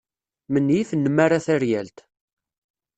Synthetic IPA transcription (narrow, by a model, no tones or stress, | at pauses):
mənːjiθnːəmːaɾaθæɾjælt̪